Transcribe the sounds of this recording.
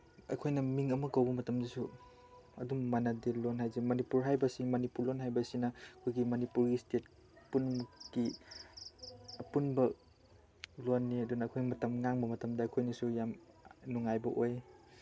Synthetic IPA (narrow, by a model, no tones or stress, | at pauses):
ɐ̰jkʰojnɐmiŋɐmɐɡɐwbɐmɐtɐmdisu | ɐ̰duŋmanadilonɦajzimɐnipuɾɦajbɐsimɐnipuɾlːonɦajbɐsinɐkʰojɡimɐnipuɾɡistet̚ | punɡ̥i | ɐpunbɐ | lonːiɐdunɐːkʰojimɐtɐmŋaŋbɐmɐtɐmdɐːkʰojnɐsujam | nuŋajbɐʔoj